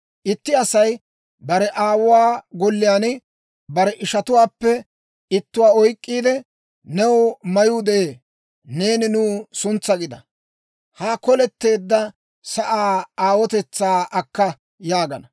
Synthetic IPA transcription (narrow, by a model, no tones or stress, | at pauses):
ʔɪt̪ːɪɐsɐj | bɐɾɛʔaːwʊwaːɡɔlːɪjaːnɪ | bɐɾɛʔɪʃɐt̪ʊwaːpːɛ | ɪt̪ːʊwaːɔjkʼːiːd̪ɛ | nɛwmɐjuːd̪ɛʔeː | ne̞ːnɪnuːsʊnt͡sːɐɡɪd̪ɐ | haːkɔlɛt̪ːe̞ːd̪ːɐ | sɐʔaːaːwɔt̪ɛt͡sːaːɐkːɐ | jaːɡɐnɐ